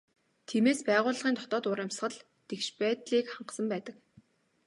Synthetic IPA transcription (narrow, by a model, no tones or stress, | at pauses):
t̪ʰiːmeːspæːʁʊːɮ̆ʁiːnt̪ʰɔ̥t̪ɔːt̪ʊɾəmsχə̆ɮ | t̪ekʃpæːt̪ɮiːkχaɴɢsə̆mpæːt̪ə̆k